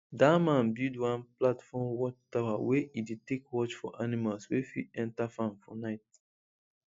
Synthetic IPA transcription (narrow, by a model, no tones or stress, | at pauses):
damãnbildwãnplatfɔmwɔt͡ʃtawaweidetekwɔt͡ʃfɔʔanimalswefḭɛ̃ntafãmfɔnaɪt̚